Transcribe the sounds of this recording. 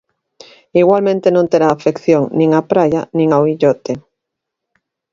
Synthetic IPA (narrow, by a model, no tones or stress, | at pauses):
iɣwalmẽnt̪enõnt̪eɾaːfekθjoŋnĩŋapɾajanĩŋawiʎɔt̪e